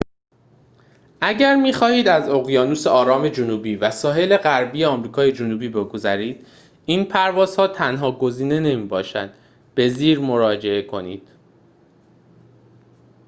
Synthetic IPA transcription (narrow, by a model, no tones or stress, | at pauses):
ʔæɟæɾmiːxɒːhiːd̪æzoɣjɒːnuːse̞ʔɒːɾɒːme̞d͡ʒonuːbiːvæsɒːɦe̞le̞ɣæɾbiːeɒːmɾiːkʰɒːje̞d͡ʒonuːbiːbe̞ɡo̞zæɾiːd̪̥ | iːnpʰæɾvɒːz̥hɒːt̪ʰænɦɒːɡo̞ziːne̞ne̞miːbɒːʃæ̰nd̪̥ | b̥e̞ziːɾmo̞ɾɒːd͡ʒe̞e̞kʰo̞niːd̪̥